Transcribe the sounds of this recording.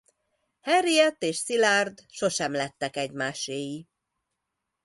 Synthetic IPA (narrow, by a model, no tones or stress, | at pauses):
hɛɾijɛt̪ːeːʃsilard̪ʃo̞ʃɛmlɛt̪ːɛkɛɟmaːʃeːji